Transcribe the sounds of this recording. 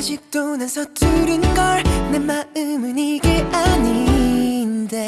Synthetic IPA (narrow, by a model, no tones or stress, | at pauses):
ɕʰik̚t͈onɯnsʰʌtʰuɾinɡʌɭnɯnmaɯmɯɲiɡeʔaɲi | nde̞